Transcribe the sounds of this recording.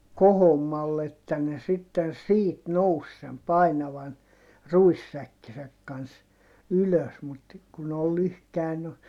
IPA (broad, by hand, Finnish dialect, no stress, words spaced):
kohomːɑlːe etːæ ne sitːen̞ siːt nous sem pɑinɑʋɑn ruisːækːisæk kɑns yløs mut kun ol lyhkæi no